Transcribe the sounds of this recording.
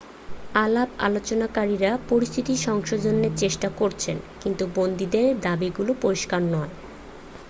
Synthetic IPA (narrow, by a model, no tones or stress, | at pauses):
alaba̰lot͡ɕonakaɾiɾapoɾist̪ʰit̪iʃɔŋʃod͡ʑonːeɾt͡ɕeʃʈakoɾt͡ɕʰenkint̪ubond̪id̪eɾd̪abiɡulopoɾiʃkaɾnɔe